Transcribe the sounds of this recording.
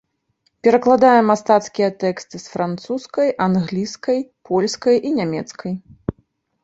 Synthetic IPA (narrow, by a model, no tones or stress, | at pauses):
pʲɛɾɐklˠad̪ajɛmast̪at̪skʲijɛt̪ɛkst̪ɨsfɾant̪suskɐjʔanɣlʲiskɐjpʰɔlʲskɐjinʲamʲɛt̪skʰɐj